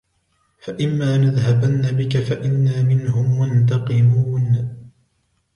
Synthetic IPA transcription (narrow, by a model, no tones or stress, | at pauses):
faʔɪmːaːnaðhabanːabɪkafaʔɪnːaːmɪnhʊmːʊnt̪̬ɑqɨmuːn